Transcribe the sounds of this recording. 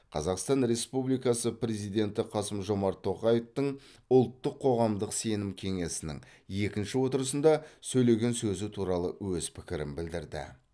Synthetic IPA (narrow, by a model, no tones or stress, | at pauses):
qʰɑ̰zɑqst̪ɑnɾe̞spublijkɑsəpɾʲe̞zijd̪e̞nt̪ɪqʰɑsəmʒo̞mɑɾt̪ʰːo̞qɑje̞ft̪əɴ | ʊlˠt̪ːəqʰːo̞ʁɑmd̪əqse̞nɪmkʲʰe̞ŋe̞sɪnɪ̰ŋ | je̞kʲɪnʃɪwo̞t̪əɾəsənd̪ɑsɵjle̞ɡʲe̞nsɵzɪt̪ʰuɾɑlˠəwɵz̥pʰɪkʲɪɾɪmbɪld̪ɪɾd̪ɪ̰